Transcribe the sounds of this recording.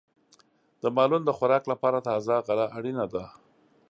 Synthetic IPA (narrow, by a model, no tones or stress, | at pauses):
d̪̥əmɑlund̪əxaɾɑklapɑɾat̪ɑzaɣalaʔaɽinad̪a